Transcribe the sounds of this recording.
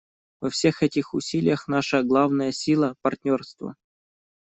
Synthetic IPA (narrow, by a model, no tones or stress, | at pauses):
vɐfsʲexɛtʲɪxʊsʲilʲɪjəxnaʂəɡlˠavnəjəsʲilˠəpɐrtʲnʲo̞rst̪və̰